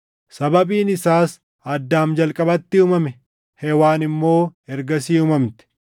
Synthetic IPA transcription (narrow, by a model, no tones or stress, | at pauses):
sɐbɐbiːnɪsaːs | ɐd̪ːaːmd͡ʒɐlkʼɐbɐt̪ːɪumɐmɛ | hɛwaːnɪmːo̞ːɛɾɡɐsiːʊmɐmt̪ɪ̥